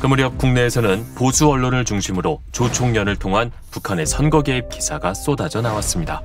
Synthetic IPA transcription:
kɯmuɾiʌp̚k͈uŋne̞ːsʰʌnɯnposʰuʌɭːonɯɭt͡ɕuŋɕʰimɯɾot͡ɕot͡ɕʰoŋɲʌnɯɭtʰoŋɦan | pukʰane̞sʰʌnɡʌɡe̞ip̚k͈isʰaɡas͈odad͡ʑʌnawas͈ɯmɲida

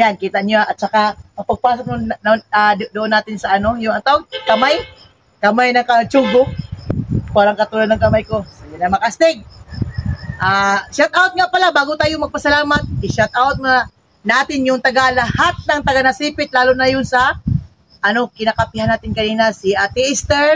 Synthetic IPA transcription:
jankiːt̪aʔɲʊaʔɐt̪̚t͡ʃɐkamɐpaɡ̚paːs̬ok̚nʊnad̪ʊʔonːaːt̪ɪnsɐʔɐnojʊŋat̪awkɐmaj | kɐmajnɐŋkat͡ʃuɡʊ | paːɾaŋkɐt̪ulad̪nɐŋkɐmajkosoɡɪnamɐkast̪ɪɡ̚ | ʔaːʃat̪̚ʔawt̪̚ŋaʔpɐlabaːɡʊt̪aːjʊmɐɡ̚pɐsɐlaːmat̪̚ʔiʃat̪̚ʔawt̪̚ŋa | naːt̪ɪnjʊŋt̪ɐɡalɐhat̪̚nɐŋt̪ɐɡanasiːpɪt̪̚laːlʊnajʊnsɐ | ʔɐnokɪnakapɪhanaːt̪ɪnkɐniːnasiat̪ɪʔɪst̪ɛɹ

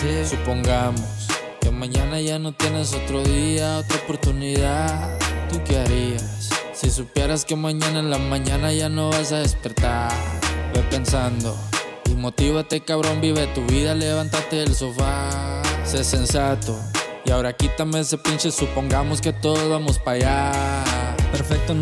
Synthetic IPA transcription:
sesupo̞ŋɡamos | ke̞mãɲanaʝano̞t̪je̞ne̞so̞t̪ɾo̞ðiao̞t̪ɾaopo̞ɾt̪uniðaðt̪ukeaɾiasː | isupje̞ɾaske̞mãɲananlamãɲãnaʝano̞βas̬aðespe̞ɾt̪aɾbepe̞nsand̪o̞̰ | imo̞t̪iβat̪e̞kaβɾo̞mbiβet̪uβiðale̞βant̪at̪e̞ːlsofa | sesensat̪o̞ | iao̞ɾaːkit̪ambje̞nse̞pinsesupo̞ŋɡamo̞ske̞t̪o̞ðozβamo̞spaʝa | peɾfek̚t̪o

